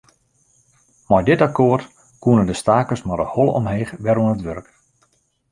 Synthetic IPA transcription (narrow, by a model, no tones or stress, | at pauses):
mɔjdɪtakoərt | kuənədəstaːkəsmɔdəhɔlˠɔ̰mɦeːxʋɛɾuənətʋøɾək